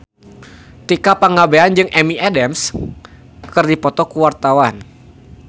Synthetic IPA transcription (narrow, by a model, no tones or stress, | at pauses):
t̪ikapaŋabeand͡ʒɨŋʔɛmiʔɛdɛms | kɨrdipɔt̪ɔkuwart̪awan